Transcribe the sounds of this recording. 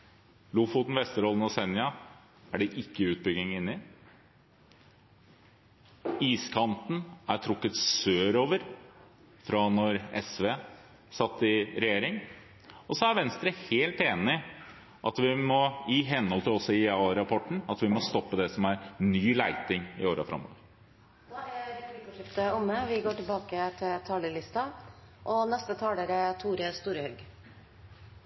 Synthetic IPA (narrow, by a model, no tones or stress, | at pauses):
lʊfʊt̪n̩ʋɛst̪əɾɔlənɔsɛnːɪɑ | æɖɛʔɪkːəʉːt̪̚bʏɡɪŋɪnːɪ | iːskʰɑnt̪n̩æɾʈ̪ʰɾʊkːət̪søːɾoːʋəɾ | fɾɑnɔɾɛ̰sʋeː | sɑt̪ːɪɾɛjeːɾɪŋ | ɔsɔæɾʋɛnst̪ɾəheːlt̪eːnɪ | ʔɑt̪ʋɪmɔɪɦɛnhɔlt̪ʰɪlɔsɪɑːɾɑpʰɔʈːɳ̩ɑt̪ʋɪmɔst̪ɔpːəd̪ɛsɔmæɾnyːlæɪt̪ɪŋɪ̰oːɾɑ̰fɾʔɑ̰mo̰ːʋəɾ | ʂɪpt̪əʊmːəʋɪɡoːʈɪlbɑːkət̪ʰɪlt̪ʰɑːləɭɪst̪ɑ | ʔɔnɛst̪ət̪ʰɑːləɾət̪ʰuːɾəst̪uːɾəhœɡ